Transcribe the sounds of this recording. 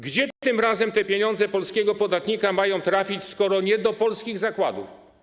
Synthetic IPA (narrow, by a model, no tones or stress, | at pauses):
ɡd͡ʑɛɘmɾazɛmt̪ɛpʲjeɲɔ̃nd̪zɛpɔlskʲɛɡɔpɔd̪at̪ɲikamajɔ̃w̃t̪ɾafʲit͡ɕskɔɾɔɲɛd̪ɔpɔlskʲiɣzakwad̪ṵf